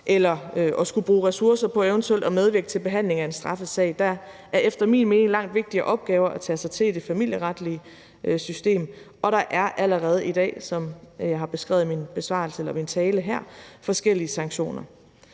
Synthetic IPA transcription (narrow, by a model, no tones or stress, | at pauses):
ʔelɐøʔɒ̽sɡ̥ub̥ʁuːʁɛsuɐsɐpʰɒ̽eʊnt͡sʰuel̰d̥ɒ̽meðˠʋiɐɡ̥ə̥t͡sʰe̝lb̥e̝ɦæn̰le̝ŋæe̝nsd̥ʁɑ̈fəsɛ̰ɪ̰d̥æʔæɐefd̥ɐmḭːnme̝ːneŋlɑ̈ŋ̰d̥ʋe̝ɡ̥̚d̥iɐʔɒ̽b̥̚ɡ̥ɛːʊɐʔæt͡sʰɛ̰ːsɑ̈ɪt͡sʰe̝lid̥e̝fæmil̰jəʁɑd̥liə | ʔøsysd̥e̝̰ːmʔɒ̽ɾɑ̈ʔæɐʔæləʁɛːð̞̩ˠid̥ɛ̰ːsɒ̽mjɑ̈ɪɦɑ̈b̥e̝sɡ̥ʁɛ̰ʊð̞̩ˠminb̥e̝sʋɑ̰̈ːl̩səelɐmint͡sʰɛːləɦæɐ̰fɒ̽sɡ̥el̰iəsɑ̈ŋɡɕo̝̰ːnɐ